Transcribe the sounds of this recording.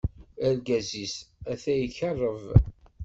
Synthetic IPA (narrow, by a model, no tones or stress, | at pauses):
ælɡæzisæθæjçərˤːəv